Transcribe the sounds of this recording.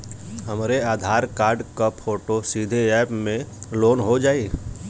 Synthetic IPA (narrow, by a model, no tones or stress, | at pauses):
ɦəmɾeaːd̪ʱaːɾkaːɾɖkapʰoːʈosid̪ʱeɛːpmẽloːnɦod͡ʒaːeː